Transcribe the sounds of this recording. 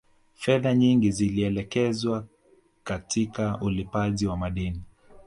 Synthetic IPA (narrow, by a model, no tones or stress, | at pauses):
fɛðaɲiŋɡiziliɛlɛkɛzwa | katʰikaulipaʄiwamaɗini